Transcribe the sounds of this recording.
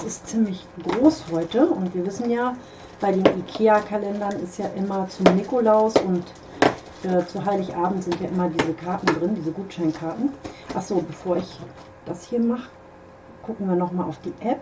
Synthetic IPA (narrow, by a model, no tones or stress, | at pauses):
sɪstt͡siːmlɪç | ɡ̥ʁoːshɔʏtəʊntviːɐvɪsn̩jaː | b̥aɪdeːnʔikʰeːakʰalɛndɐnɪ̰stjaːʔɪmɐt͡sʊnɪkolaʊsʊnt | ʔɛːt͡suɦaɪlɪçʔaːbm̩tz̥ɪntjaːʔɪmɐdiːzəkʰaɐtn̩dʁɪndiːzəɡuːtʃaɪnkʰaɐtn̩ʔaχz̥oːbəfoːɐɪç | d̥ashiːɐmaχə | ɡ̥ʊkŋ̩viːɐnɔχmaːlaʊfd̥iːʔɛp̚